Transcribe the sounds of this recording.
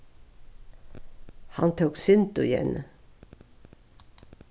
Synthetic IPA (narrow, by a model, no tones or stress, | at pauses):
hɑnt̪ʰuːksɪnd̪ʊɪjɛ̰n